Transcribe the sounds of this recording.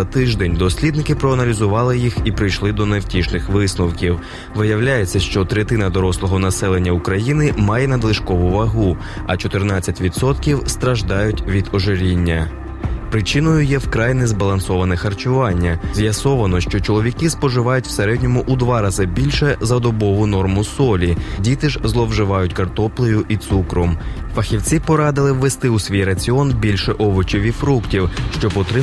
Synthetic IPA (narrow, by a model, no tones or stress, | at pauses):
ɐt̪ɪʒd̪ɛnʲd̪ɔsʲlʲid̪nɪkɪpɾɔɐnɐlʲizʊʋɑlˠɪjixipɾɪjʃlˠɪd̪ɔnewtʲiʃlɪxʋɪsnɔwkʲiw | ʋɪjɐwlʲajet͡sʲːɐʃt͡ʃɔt̪ɾet̪ɪnɐd̪ɔɾɔslˠɔɦɔnɐsɛlˠe̞nʲːɐukɾɐjinɪmɑjɛnɐd̪lˠɪʃkɔʋʊʋɐɦu | ɐt͡ʃɔt̪ernɑt͡sʲːɐtʲʋʲid̪sɔt̪kʲiwst̪ɾɐʒd̪ɑjʊtʲʋʲid̪ɔʒeɾʲinʲːɐ | pɾɪt͡ʃɪnɔjʊjɛwkɾɑjnɛzbɐlˠɐnsɔʋɐnɛxɐrt͡ʃʊʋɑnʲːɐzʲjɐsɔʋɐnɔʃt͡ʃɔt͡ʃɔlˠɔʋʲikɪspɔʒɪʋɑjʊtʲw̥seɾɛdʲnʲɔmʊʔud̪ʋɑɾɑzɪbʲilʲʃɛzɐd̪ɔbɔʋʊnɔrmʊsɔlʲidʲit̪ɪʒzlˠɔwʒɪʋɑjʊtʲkɐrt̪ɔplˠɪjʊʔit̪sukɾɔmfɐxʲiwt͡sʲipɔɾɑd̪ɪlˠɪwːest̪ɪusʲʋʲijrɐt͡sʲiɔnbʲilʲʃɛʔɔʋɔt͡ʃɔʋʲifɾuktʲiwʃt͡ʃɔpɔt̪ɾɪ